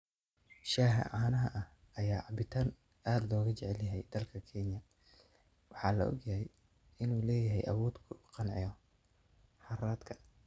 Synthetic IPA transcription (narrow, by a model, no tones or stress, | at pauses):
ʃaːɦɐ̰ʕɑːnɐɦɐʔɐh | ɐjaːʕɑbɪt̪ʰaːn | aːd̪lɔːɣɐt͡ʃɛʕɛljɐɦɛjd̪ɐlkʰɐkʰɛnjɐ | wɑħɑːlɐ̰ʔɔ̰ɡjɐɦɛj | ɪnuːlɛːjɐɦɛ̰jʔɐ̰wɔːd̪kʰʊqɑnʕɪ̰jɔ | ħɑraːd̪kʰɐ̥